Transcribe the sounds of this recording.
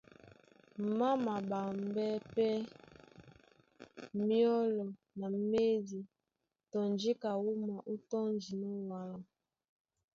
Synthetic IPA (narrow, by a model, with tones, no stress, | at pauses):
m̩˨ma˦ma˨ba˨m˦bɛ˦pɛ˦ | mjɔ˦lɔ˨ | na˨˦me˦di˨ | tɔ˨nd͡ʒi˦ka˨wu˦ma˨ʔu˦tɔ˦n˦d͡ʒi˨nɔ˦wa˨lɔ˨